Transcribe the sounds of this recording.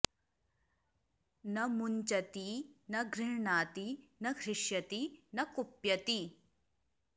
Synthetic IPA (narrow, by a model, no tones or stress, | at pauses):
nɐmuɲt͡ʃɐt̪inɐɡɾɪɻɳaːt̪inɐɡɾɪʂjɐt̪inɐkupjɐt̪i